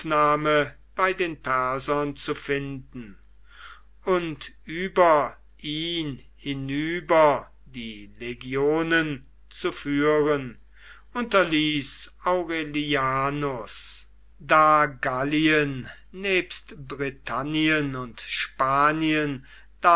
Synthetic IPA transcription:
fnaːmə | b̥aɪdeːnpɛɐzɐnt͡sufɪndn̩ | ʊntʔyːbɐ | ʔiːn | hɪnyːbɐ | diːleɡjoːnən | t͡sufyːʁən | ʔʊntɐliːsaʊʁeliaːnʊs | daːɡaliənː | eːpstbʁitʰaniənʊntʃpaːniən | d̥a

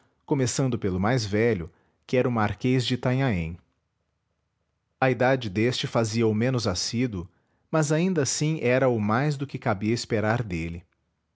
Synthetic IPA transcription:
komesɐ̃nd̪ʊpelʊmajzvɛʎʊ | kɪɛɾʊmaɾkezd͡ʒɪt̪ãɲaḛ̃j̃ | ɐid̪ad͡ʒɪd̪est͡ʃɪfaziɐʊmẽnʊzasid̪ʊ | mɐzaĩnd̪ɐasĩʔɛɾɐʊmajzd̪ʊkɪkabiɐispeɾaɾd̪elɪ

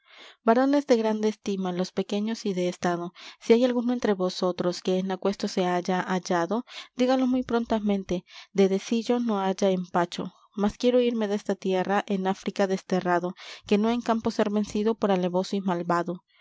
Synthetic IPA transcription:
baɾo̞ne̞zðe̞ɣɾand̪eːst̪imalospe̞ke̞ɲo̞siðe̞ːst̪aðo̞siajalɣunoe̞nt̪ɾe̞βo̞so̞t̪ɾo̞ske̞ːnakwe̞st̪o̞se̞aʝaʔaʝaðo̞d̪iɣalo̞smujpɾo̞nt̪amẽ̞nt̪e̞d̪e̞ðe̞siʝo̞no̞aʝaempat͡ʃo̞̰ | maskjeɾo̞iɾme̞ðest̪at̪je̞raʔe̞nafɾikaðe̞st̪e̞raðo̞ke̞no̞e̞ŋkampo̞se̞ɾβe̞nsiðo̞po̞ɾale̞βo̞soimalβaðo

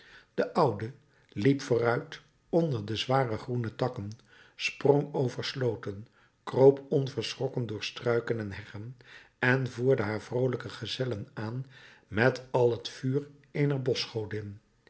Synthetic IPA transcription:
d̥əʔʌwdə | lipfʊːrœɥt | ɔndəɹdəzʋaːrəχrunətɑkən | sprɔŋowvəɹslowtən | krowpɔnvəɹsrɔkəndʊːɹstrœɥkənɛnɦɛχənɛnvuːɹdəɦaːɹvrowləkəχəzɛlənaːn | mɛtɑlˠɦətfyːr | ejnəɹbɔsχowdən

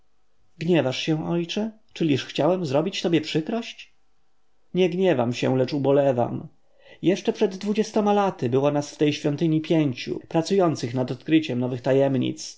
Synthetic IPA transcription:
ɡɲɛvaʂɕɛ̃ɔjt͡ʂɛ | t͡ʂɘlʲiʂxt͡ɕawɛmzɾɔbʲit͡ɕt̪ɔbʲjɛpʂɘkɾɔɕt͡ɕ | ɲɛɡɲɛvamɕɛ̰lɛt͡ʂubɔlɛva̰m | jɛʂt͡ʂɛpʂɛd̪ːvud͡ʑɛst̪ɔmalat̪ɘbɘwanasft̪ɛjɕfʲjɔnt̪ɘɲipʲjeɲt͡ɕṵpɾat̪sujɔnt̪sɘxnad̪ɔt̪kɾɘt͡ɕɛmnɔvɘxt̪ajɛmɲḭt̪s

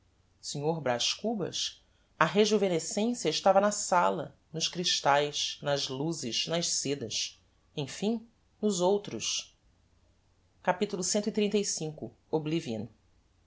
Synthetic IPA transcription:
seɲoɾbɾaʃkubɐ̰s | ɐɦeʒuvẽnesẽsjɐɪʃt̪avɐnɐsalɐ | nʊʃkɾiʃt̪ajʃnɐzluzɪʃnɐʃsed̪ɐʃ | ẽj̃fĩ | nʊzowt̪ɾʊʃ | kapit̪ulʊsẽnt̪ʊit̪ɾĩnt̪ejsĩŋkʊ | obliviɐ̰̃n

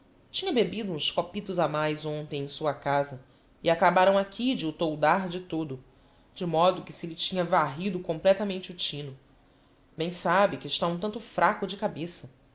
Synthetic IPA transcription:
t͡ʃĩɲɐbebid̪ʊũskopit̪ʊzamajzõnt̪ẽj̃ẽj̃suɐkazɐ | iakabaɾɐ̃w̃akʲʰid͡ʒɪʊt̪owd̪aɾd͡ʒɪt̪od̪ʊ | d͡ʒɪmɔd̪ʊkɪ̥sɪlɪt͡ʃĩɲɐvaɦid̪ʊkõmplɛt̪amẽnt͡ʃɪʊt͡ʃĩnʊ | bẽj̃sabɪkɪɪʃt̪aũt̪ɐ̃t̪ʊfɾʔakʊd͡ʒɪkabesɐ

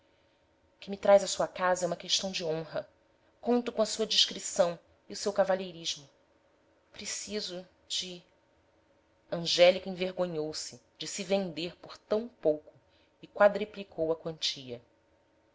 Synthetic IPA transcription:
ʊkɪmit̪ɾajzɐsuɐkazɐɛũmɐkeʃt̪ɐ̃w̃d͡ʒɪõɦɐ | kõnt̪ʊkõɐsuɐd͡ʒiʃkɾisɐ̃w̃ | iʊsewkavaʎejɾiʒmʊ | pɾesizʊ | d͡ʒɪ | ɐ̃ʒɛlikẽveɾɡõɲowsɪ | d͡ʒɪsɪvẽnd̪eɾpoɾt̪ɐ̃w̃powkʊ | ɪkwad̪ɾiplikʰowɐkwɐ̃nt͡ʃiʎɐ

